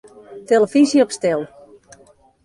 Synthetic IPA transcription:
teləfizjəɔpstɛlˠ

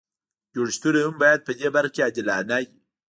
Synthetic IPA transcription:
d͡ʒoɽʃt̪uɾehambɑjad̪̚pəd̪ebaɾxakead̪ɪlanaji

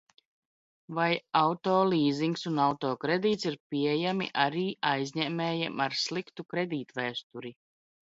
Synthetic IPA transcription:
vajawt̪oːlˠiːziŋksunawt̪ɔːkɾed̪iːt̪siɾpiɛjamḭʔaɾiːʔajzʲɲɛmɛːjɛmaɾslˠikt̪ukɾed̪iːt̪væːst̪uɾi

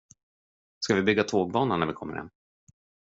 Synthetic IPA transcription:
skavɪbʏɡːat̪ʰoːɡ̚bɑːnanævɪkʰɔmːə̰ɾhɛ̰nː

